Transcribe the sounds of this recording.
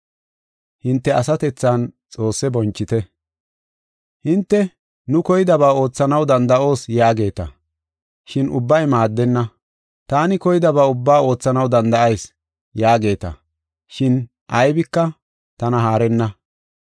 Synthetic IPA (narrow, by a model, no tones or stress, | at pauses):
hɪnt̪ːɛɐsɐt̪ɛt͡sːaːnt͡sʼo̞ːsːɛbɔnt͡ʃːɪt̪ɛ | hɪnt̪ːɛ | nʊkɔjɪd̪ɐβaːo̞ːt͡sːɐnɐwd̪ɐnd̪ɐʔo̞ːsjaːɡe̞ːt̪ɐ̰ | ʃɪnʔʊ̰bːɐjmaːd̪ːɛnːɐ | t̪aːnɪkɔjɪd̪ɐbaːʊbːaːo̞ːt͡sːɐnɐwd̪ɐnd̪ɐʔɐjs | jaːɡe̞ːt̪ɐ̰ | ʃɪn | ʔɐjbɪkːɐ | t̪ɐnɐɦaːɾɛnːɐ